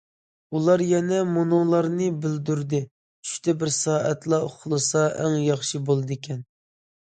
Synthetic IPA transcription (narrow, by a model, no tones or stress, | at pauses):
ulˠɑɾjɛnɛmonoŋlˠɑɾnɨbɪld̪yɾd̪ɪ | t͡ʃʰy̥ʃt̪ʰɛbɪɾsɑːʔɛt̪lˠɑʊχlˠɨsɑʔæŋjɑχʃɨbolˠɨd̪ɪkʲʰɛn